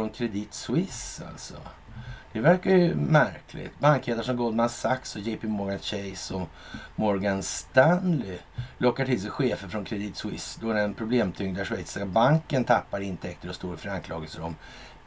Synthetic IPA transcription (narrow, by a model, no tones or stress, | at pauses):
ɔnkʰɾɛd̪ɪt̪swɪsa̰lsɔ̰ | d̪̥ɛvæɾkajɵmæɾkʰlɪ̰t̪baŋkheːd̪aʂɔmɡɔld̪mansaksɔjɛpɪmɔɾɡanɕɛjsɔ | mɔɾɡanst̪anlɪ | lɔkːaʈʰɪls̬ɛjɧeːfəɾfɾɔnkʰɾɛd̪iːt̪swɪ̰sd̪ɔɾɛnpʰɾʊbleːmt̪ʰʏŋd̪æʂvɛjt̪sabaŋkənt̪ʰapːaɾɪnt̪ʰɛkt̪əɾɔst̪oːɾfəɾankʰlɑːɡəlsəɾɔm